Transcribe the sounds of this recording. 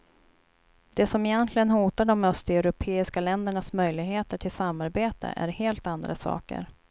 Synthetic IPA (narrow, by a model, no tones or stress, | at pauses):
d̪̥ɛsɔmɪjɛnt̪ʰlɪɡənhuːt̪aɖɔmœst̪ɛʉɾʊpʰeːɪskalɛnd̪əɳasmœjlɪɡheːt̪əʈʰɪlsamːaɾbeːt̪ʰə̰ʔæ̰ɾheːlt̪and̪ɾasɑ̰ːkə̰ɾ